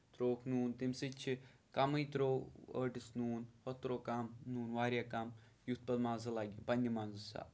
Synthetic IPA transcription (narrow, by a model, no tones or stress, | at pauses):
t̪ɾoːkʰnuːnt̪imsɨt͡ʃʰikɐmɨjt̪ɾoə̰ːʈisnuːnhot̪ɾoːkɐmnuːnʋaːɾʲjakɐm | jut̪̚pɐd̪maːzɨlaɡipɐnʲːimaːnzɨsa̰